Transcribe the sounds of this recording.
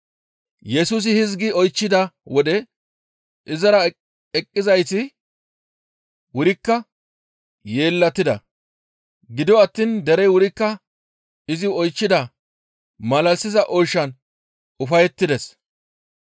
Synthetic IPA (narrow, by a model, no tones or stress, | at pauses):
jɛsuːs̬ɪhɪzɡɪɔjt͡ʃːɪd̪ɐwɔd̪ɛ | ʔɪzɐɾɐ | ɛkʼːɪzɐjsɪ | wʊɾɪkːɐ | je̞ːlːɐt̪ːɪd̪ɐ̰ | ɡɪd̪ɔɐt̪ːiːnd̪ɛɾɛjwʊɾɪkːɐ | ɪzɪɔjt͡ʃːɪd̪ɐ | mɐlɐlsɪzɐʔɔjʃːɐn | ʊfɐjɛt̪ːɪd̪ɛs